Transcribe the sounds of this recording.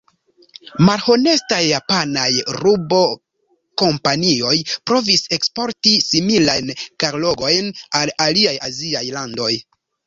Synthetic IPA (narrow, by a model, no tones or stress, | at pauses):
malho̞ne̞stajːapanajɾubo̞ | ko̞mpanio̞jpɾo̞vise̞kspo̞ɾtisimilajnkaɾlo̞ɡo̞jnalaliajaziajlando̞j